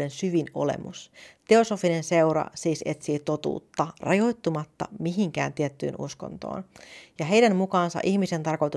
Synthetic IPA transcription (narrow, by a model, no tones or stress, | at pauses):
ensyʋino̞̰lḛmṵst̪e̞o̞sofinense̞uɾɑ̰siːse̞t̪siːt̪o̞t̪ṵːt̪ːɑrɑjo̞jt̪ːumɑt̪ːɑ̰miɦiŋk̟æ̰ːnt̪iɛt̪ːy̰ːnʔṵsko̰nt̪o̰ːnjɑɦe̞jdænmukɑːnsɑ̰ʔiçmise̞nt̪ɑrko̞jt̪u